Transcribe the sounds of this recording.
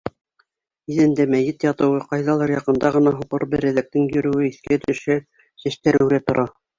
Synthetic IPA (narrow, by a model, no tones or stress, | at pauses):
iðɘ̆nd̪æmæjɘt̪jɑt̪ɤ̆wɤqɑjðɑlˠɤɾjɑqɤ̆nd̪ɑʁɤ̆nɑɦuqɤ̰ɾbɘɾɘ̆ðæk̚t̪ɘŋjɵ̆ɾɘ̆wɘiθkæt̪ɵ̆ʃæ | sæʃt̪æɾɘ̆ɾæt̪ŏɾʔɑ